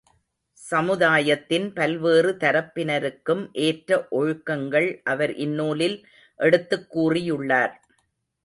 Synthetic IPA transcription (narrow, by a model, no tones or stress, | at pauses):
sɐmɯðaːjɐt̪ːɪnpɐlʋeːrɯt̪ɐɾɐpːɪnɐɾɯkːɯmʔeːʈɾɐʔɔɻʊkːɐŋɡɐɭʔɐʋɐɾʔɪnːuːlɪl | ʔɛɽɯt̪ːɯkːuːrɪjɯɭːaːɾ